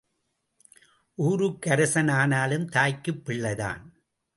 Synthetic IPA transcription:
ʔuːɾɯkːɐɾɐsɐnaːnaːlɯmt̪aːjkːɯpːɪɭːɐða̰ːn

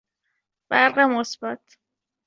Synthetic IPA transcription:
b̥æɾɢemosbæt̪ʰ

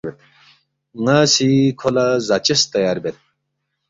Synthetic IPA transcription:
et̪ | ŋaːsikʰolazat͡ɕɐst̪ɐjaːɾbet̪̚

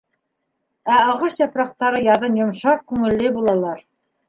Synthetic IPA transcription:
æɑ̆ʁɤʃjɑpɾɑq̚t̪ɑɾɤjɑðɤnjŏmʃɑq̚kʉŋɘ̆lːɘbulˠɑlˠɑɾ

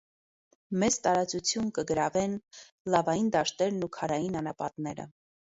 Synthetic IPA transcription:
mɛt͡st̪ɑɾɑt͡sut͡sʰjunkəɡəɾɑvɛn | lɑvɑjind̪ɑʃt̪ɛɾnukʰɑɾɑjinɑnɑpɑt̪nɛɾə̰

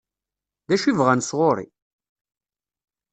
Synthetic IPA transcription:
ðæʃivʁænsʁoɾˤḭ

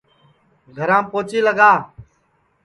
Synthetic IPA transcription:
ɡʱəɾãːpoːt͡ʃiːləɡaː

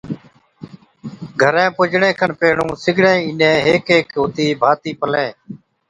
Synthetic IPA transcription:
ɡʱəɾẽːpʊd͡ʒɳẽːkʰəɳpeːɳũːsɪɡʱɳẽːɪnẽːɦeːkeːkɦoːt̪iːbʱaːt̪iːpəlẽː

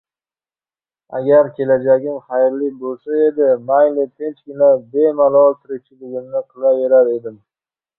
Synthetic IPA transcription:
a̰ɡʲaɾkʲʰe̞lad͡ʒaɡʲɪmχajɾlɪk̚ʲbolˠsae̞d̪ɪmajlɪt̪ʰe̞nt͡ʃkʲɪnabe̞malˠɒlˠt̪ʰɪɾɪk̚ʲt͡ʃʰɪlɪɡʲɪmnɪqʰɨlˠaveɾaɾe̞d̪ɪm

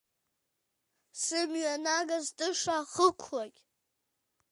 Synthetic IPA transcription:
sɨmɥanaɡazdʼɨʂaχəkʷʰlakʲʼ

